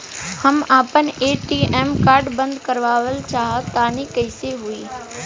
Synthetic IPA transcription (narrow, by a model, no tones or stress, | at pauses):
həmaːpəneːʈiːeːmkaːɾɖbə̃nd̪kəɾʋaːʋəlt͡ʃaːɦət̪aːnikəɪseɦʊiː